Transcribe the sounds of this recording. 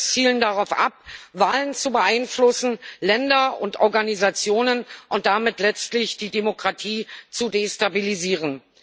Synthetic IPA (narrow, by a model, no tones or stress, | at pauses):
fiːləndaʁaʊfʔa̰p̚vaːlənt͡subəʔaɪnflʊsn̩lɛndɐʊntʔɔɐɡanizat͡sjoːnənʔʊnt̚d̥amɪtlɛt͡stlɪçd̥iːdemokʁ̥atʰiːt͡sudeːstabiliziːʁ̞ən